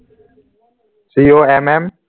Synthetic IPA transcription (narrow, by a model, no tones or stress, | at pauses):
siːoːɛmɛm